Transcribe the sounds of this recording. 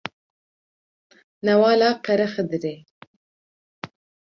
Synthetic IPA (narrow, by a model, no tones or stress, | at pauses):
nawɑːlɑːqaɾaxəd̪ɾe